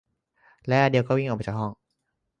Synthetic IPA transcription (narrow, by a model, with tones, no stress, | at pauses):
lɛ˦˥ʔa˧˩di˧wkɔː˥˩wi˥˩ŋʔpa˧t͡ɕa˧˩hɦɔ˥˩ŋ